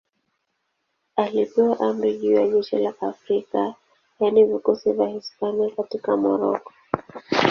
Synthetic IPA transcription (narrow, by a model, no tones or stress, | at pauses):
alipɛwaʔamɾiʄiwaʄɛʃilaʔafɾika | janivikusivahispaniakatikamɔ̰ɾɔ̰kɔ̥